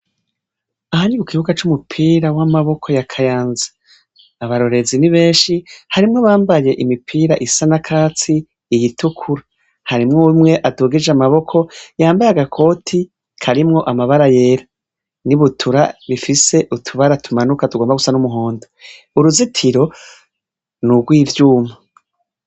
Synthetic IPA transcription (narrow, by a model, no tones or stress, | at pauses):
aɦaɲiβukiβukat͡ʃumupʰiːɾawamaβo̞kʰo̞jakʰajaːnzḁː | βaɾo̞ɾe̞ziniβe̞ːnʃihaɾimŋoβaːmbaje̞ʔimipʰiːɾaʔisanakʰaːt͡siː | jitʰukʰuɾa | haɾimŋomŋe̞ʔatuɡid͡ʒamaβo̞kʰo̞jaːmbajaɡakʰo̞ːtʰi | kʰaɾimŋo̞ʔamaβaɾaje̞ːɾa | niβutʰuɾaβifise̞ʔutʰuβaɾatumanukatuɡo̞ːmbaɡusanumuɦo̞ːndo | uɾuzitʰiɾo̞ | nuɡɡwiːvjuːma